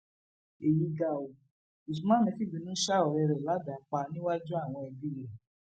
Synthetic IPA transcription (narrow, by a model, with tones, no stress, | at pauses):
e˨ji˨˧ɡa˨o˨ | i˨s̬ũ˨˧mãː˦nĩ˧˦fi˦˨ɡ͡bĩ˨˧˦nũ˦ʃa˦ɔ˨ɾɛ˧ɾɛ˨la˨˦da˨˦k͡pa˧nĩ˦wa˦d͡ʒu˦a˦˨w̃ɔ̃˧ɛ˧bi˦ɾe˨